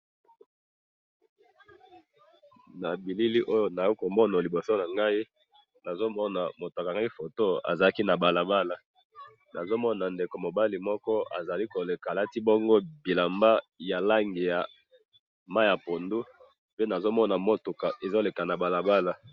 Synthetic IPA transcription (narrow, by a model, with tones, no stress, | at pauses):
na˨bi˨li˦li˦ʔo˦jo˦na˨jo˦ko˨mɔ˦na˨li˨bo˨so˦na˨ŋɡa˦i˦ | na˨zo˦mɔ˦na˨mo˨tka˨ŋɡa˦i˦fo˨to˦a̰˨za˨la˦ki˦na˨ba˨la˨ba˦la˨ | na˨zo˦mɔ˦na˨nde˨ko˨mo˨ba˦li˨mɔ˦kɔ˦a̰˨za˨li˦ko˨le˨ka˨la˦ti˦bo˦ŋɡo˦bi˨la˨mba˦ja˨la˦ŋɡi˨ja˨ | ma˦jja˨po˨ndu˦ | pe˦na˨zo˦mɔ˦na˨mo˦tu˨ka˨ʔe˨zo˦le˨ka˨na˨ba˨la˨ba˦la˨